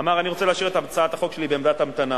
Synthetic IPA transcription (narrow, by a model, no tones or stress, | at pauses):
amaʁaniʁo̞t͡seleaʃiʁet̪amt͡saat̪aχo̞kʃe̞libeːmd̪atamt̪ana